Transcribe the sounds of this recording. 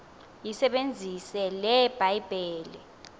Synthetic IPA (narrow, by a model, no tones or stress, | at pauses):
jisɛɓend͡zʱisɛlɛb̥ʱajb̥ʱɛːlɛ